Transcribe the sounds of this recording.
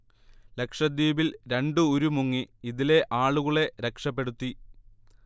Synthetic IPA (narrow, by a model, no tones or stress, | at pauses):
le̞kʂɐd̪jiːbilɾe̞ɳɖɨoɾumuŋːiiðile̞ʔaːɭuɣɐɭe̞ɾe̞kʂɐpːe̞ɽut̪ːi